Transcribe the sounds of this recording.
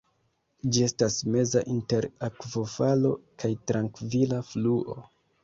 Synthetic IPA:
d͡ʒie̞stasme̞zaʔinte̞ɾakvo̞falo̞̰kʰajtɾaŋkvilafluʔo̞̰

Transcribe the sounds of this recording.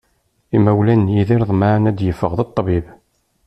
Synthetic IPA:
imæwlænjiðiɾðˤmanæd̪jəfːəʁðət̪ˤːbib

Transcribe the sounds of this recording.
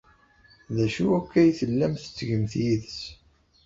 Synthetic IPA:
ðæʃuækːæjθəlːæmθə̥t͡sːʝəmθjiðəs

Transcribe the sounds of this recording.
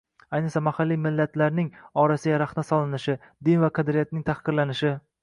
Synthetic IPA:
ajnɨχsamahalːijmɪlːat̪laɾnɪŋɒɾasɪjʲaɾaχnasɒlˠɪnɪʃɪ | d̪ɪnvaqʰɑd̪ɾɪijat̪̚nɪŋʲt̪ʰahqɨɾlanɪʃɪ

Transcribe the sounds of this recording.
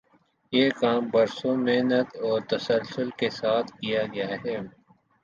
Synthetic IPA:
jeːkaːmbɐɾsõmeɦnət̪ɔːɾt̪ɐsəlsʊlkesaːt̪ʰkijaɡɐjaɦɛː

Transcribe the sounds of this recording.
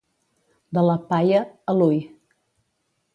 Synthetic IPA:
d̪ələpajəəluj

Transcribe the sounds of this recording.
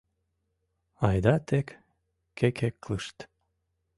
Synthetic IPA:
ɑjd̪ɑt̪ekː | ekʰekləʃt̪

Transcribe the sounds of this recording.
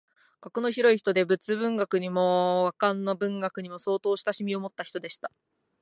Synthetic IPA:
ɡ̥akono̞çiɾo̞içi̥t̪o̞d̪e̞bɯ̟t͡sɨbɯ̟̃ŋɡakɯ̟ɲ̟imo̞ɡakãnːo̞bɯ̟̃ŋɡakɯ̟ɲ̟imo̞so̞ːt̪o̞ːɕi̥t̪aɕimʲio̞mo̞t̪ːaçʲi̥t̪o̞d̪e̞ɕi̥t̪ḁ

